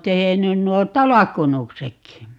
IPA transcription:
tehenyn nuo tɑlɑkːunuksekːi

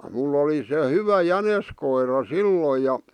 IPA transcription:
mulː oli se hyʋæ jæneskoirɑ silːoj jɑ

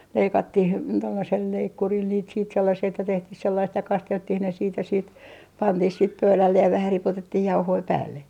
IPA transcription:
leikɑtːih tolːɑsel leikːuril niːt siːt selːɑsiː etːæ tehtih selːɑist jɑ kɑsteltːih ne siːt jɑ siːt pɑntih siːt pøylælːej jɑ ʋæhæ ripotetːih jɑuhoi pæːlːe

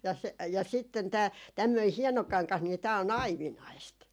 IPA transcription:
jɑ jɑ sitːen tæː tæmːøi hieno kɑŋkɑh niː tæː on ɑiʋinɑist

